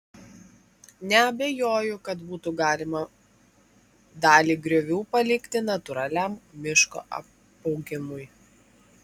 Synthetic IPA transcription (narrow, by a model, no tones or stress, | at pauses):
nʲɛɐbʲɛjoːjʊkɐt̪buːt̪uɡɑːlʲɪmɐ | d̪ɑːlʲiːɡɾʲɔʋʲuːpɐlʲɪkʲt̪ʲɪnɐt̪ʊɾɑlʲæːmmʲɪʃko̰ːʔɐ̰ | ɔʊɡʲɪmʊj